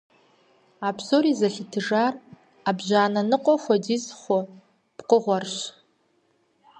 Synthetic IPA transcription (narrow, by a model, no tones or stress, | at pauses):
apʰsoɾizaɬʲitʰɨʐar | abʒaːnanɨqʷʼɔxʷadizχʷo | b̥qʷʼʊʁʷarʃ